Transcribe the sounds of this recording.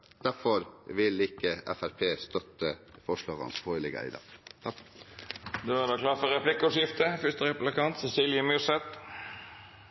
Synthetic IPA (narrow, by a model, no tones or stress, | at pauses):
d̪̥æfɔɾʋɪlɪkːəʔɛ̰fæɾpʰeːst̪œt̪ːəfɔʂlɑːʁɑ̰nshʰoːɪlɪɡə̰æ̰ɪd̪ɑ̰t̪ʰɑ | d̪øʋɑd̪ɑːkʰlɑːfɔɾɛpʰlɪkːʊʂjɪft̪əfʏst̪əɾɛplɪkɑnt̪sɛsiːljəmʉsɛt̪